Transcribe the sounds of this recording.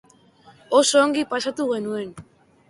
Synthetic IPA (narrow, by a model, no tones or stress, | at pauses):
oso̞ːŋɡipasat̪uɣe̞nue̞n